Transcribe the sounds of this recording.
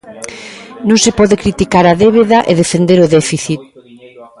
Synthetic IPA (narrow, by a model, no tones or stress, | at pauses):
nõŋsɪpɔðekɾit̪ikaɾɐðeβ̞eðɐʔeðefend̪eɾʊðɛfiθit̪̚